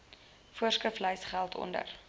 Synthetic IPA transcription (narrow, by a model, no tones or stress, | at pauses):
fuərskəfləjsχælˠtʰɔ̰ndə̰r